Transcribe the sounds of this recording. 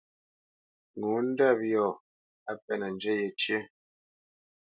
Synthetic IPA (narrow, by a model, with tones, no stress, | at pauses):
ŋu˨˦n̩˦da˦˨p̚jɔ˦˨ | a˦pɛ˦˨nə˨n˨d͡ʒɛ˦jɛ˨t͡ʃje˦